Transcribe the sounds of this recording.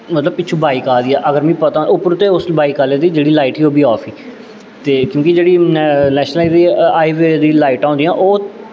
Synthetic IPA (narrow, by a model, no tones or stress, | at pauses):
mət̪ləbpɪːt͡ʃʰũːbʱaːiːkaːd̪iːɛːʔəɡəɾmĩːpət̪ãːʔʊpʊɾt̪eːʊsbʱaːiːkaːleːd̪iːd͡ʒeːɽiːlaːɪʈɦiːoːbiːɔːpʰiː | t̪eːkjõːkɪd͡ʒeːɽiːnɛːʃnəlaid̪iːaːiːʋeːd̪iːlaːɪʈãːnd̪iːãːʔoː